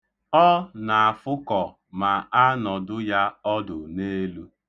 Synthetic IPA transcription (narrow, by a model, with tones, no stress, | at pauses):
ɔ˦na˨a˨fʊ˦kɔ˨ | ma˨a˦nɔ˨dʊ˦ja˦ɔ˦dʊ˨ne˦lu˦